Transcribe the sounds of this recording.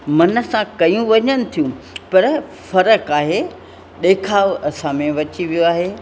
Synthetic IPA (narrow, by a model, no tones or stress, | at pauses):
mɐnə̆sãkɐjũʋɐɲənɪ̆t̪ʰijũ | pɐɾ | fɐɾəkaːɦe | ɗeːkʰaːʋɐsãmẽʋɐt͡ɕiʋijoaːɦeː